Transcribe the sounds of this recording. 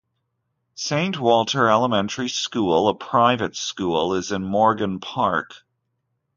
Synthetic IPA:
sẽɪ̃nʔwɔlˠtʰə˞ɛlˠəmɛ̃ntʰə˞iskulˠəpʰɹ̥aɪvɨtskulˠɪzɨ̃nmɔɹɡɨ̃npʰɑɹk

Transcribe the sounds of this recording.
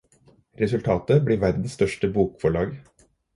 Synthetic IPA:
ɾɛsʉlt̪ʰɑːt̪əbɽiːʋæɾd̪n̩sst̪œʂʈəbuːkfɔɭɑːɡ

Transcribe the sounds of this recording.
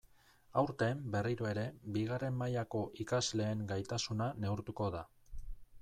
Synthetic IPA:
awɾt̪e̞mbe̞riɾoe̞ɾe̞biɣare̞mːajako̞ʔikazle̞ːŋɡajt̪asunane̞uɾt̪uko̞ða

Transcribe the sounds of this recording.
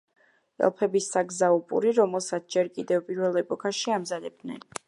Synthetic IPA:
ɛ̰lˠpʰɛbisːaɡzaupʼṵɾiɾɔmɛlˠsat̪sʰd͡ʒɛɾkʼid̪ɛvpʼiɾvɛlˠɛpʼɔkʰaʃiamzad̪ɛb̚d̪nɛ̰n

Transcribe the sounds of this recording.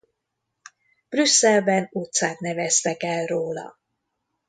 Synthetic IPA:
b̥rysːɛlbɛnut̪saːt̪nɛvɛst̪ɛkɛlroːlɒ̰

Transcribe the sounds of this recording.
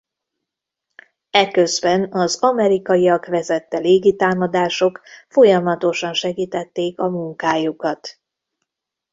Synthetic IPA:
ɛkø̞zbɛnɒzɒmɛɾikɒjiɒkʋɛzɛt̪ːɛleːɡit̪aːmɒd̪aːʃo̞kfo̞jɒmɒt̪o̞ʃɒnʃɛɡiːt̪ɛt̪ːeːkɒmuŋkaːjukɒt̪

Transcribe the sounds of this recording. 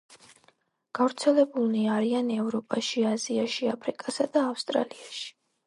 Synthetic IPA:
ɡ̥avɾt̪sʰɛlɛbulˠniaɾianɛvɾɔpʼaʃiaziaʃiapʰɾikʼasad̪aːfst̪ʼɾa̰liaʃi̥

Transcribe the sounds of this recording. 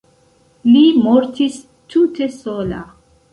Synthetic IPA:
limoɾtis | tute̞sola̰

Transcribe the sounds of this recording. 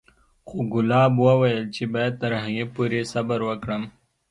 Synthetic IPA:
xoɡʊlɑːbwawɐjəlt͡ʃʰebajəd̪̚t̪ɐɾɦaŋɡepuɾesɐbəɾwəkɽəm

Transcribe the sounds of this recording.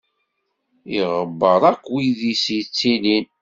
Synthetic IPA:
iʁəbːəɾˤækːwiðisit͡sːilin

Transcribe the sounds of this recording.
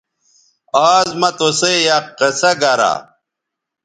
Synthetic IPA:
aːzmɐt̪osejaqːesɐɡɐɾa̰

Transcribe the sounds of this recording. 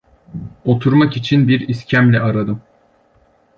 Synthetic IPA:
o̞t̪ʰuɾmakit͡ʃʰinbiɾiscʰæmlʲɛaɾad̪ɯm

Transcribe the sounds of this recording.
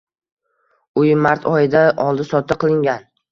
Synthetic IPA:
ʊjmaɾt̪ʰɒjɪd̪aʔɒlˠd̪ɪsɒt̪ʰːɪqʰɨlˠɪŋɡʲan

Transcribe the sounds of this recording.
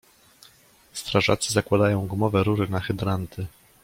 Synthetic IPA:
st̪ɾaʐa̰t̪sɘzakwad̪ajɔ̃w̃ɡmɔvɛɾuɾɘnaxɘd̪ɾant̪ɘ

